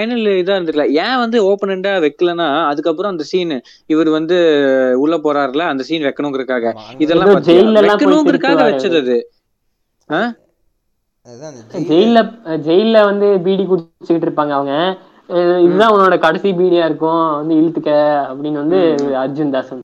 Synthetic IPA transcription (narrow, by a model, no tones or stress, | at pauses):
pɐjnɐlɪðãːɪɾɯnd̪ɯɾkːlɐːjɛ̃ːʋɐnd̪ɯoːpɐnɛɳɖaːʋɛkːɯlɐnːaːɐðɯkːɐpːɯɾɔ̃ɐnd̪ɐsiːn | ɪʋɐɾɯʋɐnd̪ɯʊɭːɐpoːɾaːɾlɐɐnd̪ɐsiːnʋɛkːɐɳʊ̃ŋɡɪɾɯkːaːɣɐɪðɛllãoɐd͡ʒɛjlːɛlɛːãːkːɐnʊ̃ŋɡɪɾɯkːaːɣɐʋɛt͡ʃːɐðɐðɯ | aː | d͡ʒɛjɪlːɐd͡ʒɛjlɐʋɐnd̪ɯbiːɽikut͡ʃːɯkɪʈːɪɾɯpːaːŋɡɐːʋɐŋɡɐ | ɪðɯðãːʊnːoːɽɐkɐɽɐsibiːɽijaːɪɾɯkːʊ̃ʋɐnd̪ɯɪɻɯt̪ːɯkːɐɐpːɐɽɪnːɐʋɐnd̪ɯɐɾd͡ʒɯnd̪aːsɐm